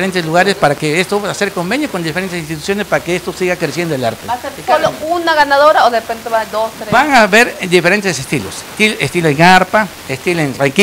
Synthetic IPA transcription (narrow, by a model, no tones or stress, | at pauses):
ɾent̪esluɣaɾespaɾakeest̪opeðaseɾkombenjokond̪ifeɾent̪esinst̪it̪u̥sjo̞nespaɾakeest̪osiɣakɾesjend̪oela̰ɾt̪eaeɾpolounaɣanaðoɾaoðerepent̪eβad̪ost̪ɾebaŋaβeɾd̪ifeɾent̪esest̪ilo̰st̪ilest̪iloeŋaɾpa | est̪iloenraŋki